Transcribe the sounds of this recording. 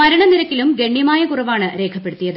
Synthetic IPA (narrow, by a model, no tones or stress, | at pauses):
mɐɾɐɳɐniɾɐkːilumɡe̞ɳːjɐmaːjɐkurɐʋaːɳɨɾe̞ːkʰɐpːe̞ɽut̪ːijɐðɨ